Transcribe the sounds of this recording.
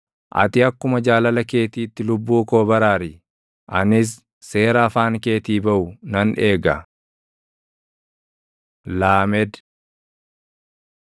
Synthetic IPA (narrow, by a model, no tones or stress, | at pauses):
ʔɐ̰t̪ɪɐkːʊmɐd͡ʒaːlɐlɐke̞ːt̪iːt̪ːɪlʊbːuːkoːbɐɾaːɾɪ | ʔɐnɪs̬ː | e̞ːɾɐːfaːŋke̞ːt̪iːbɐʔʊnɐne̞ːɡɐ | laːmɛd̪